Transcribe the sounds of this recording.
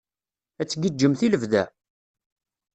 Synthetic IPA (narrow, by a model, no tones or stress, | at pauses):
æt͡sːɡəd͡ʒːəmθiləvðæ̰